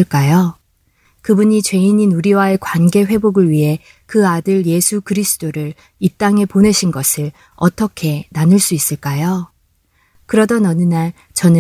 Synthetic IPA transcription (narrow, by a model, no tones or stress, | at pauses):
ɯɭk͈ajo | kɯbuɲit͡ɕwe̞iɲinuɾiwae̞kwanɡe̞ɸwe̞boɡɯɭɥiɦe̞ | kɯadɯɭje̞sʰukɯɾisʰɯ̥t͈oɾɯɾ | it͈aŋe̞pone̞ɕʰinɡʌsʰɯɭ | ʌt͈ʰʌkʰe̞nanɯɭs͈uis͈ɯɭk͈ajo | kɯɾʌdʌnʌnɯnaɭ | t͡ɕʌnɯ